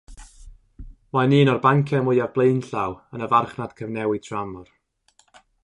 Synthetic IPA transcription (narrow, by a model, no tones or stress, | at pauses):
wajniːnɔrbaŋkʰɛmʊɨavblˠeɨnɬawənəvarχnad̥kʰəvnɛwɨtʰramɔr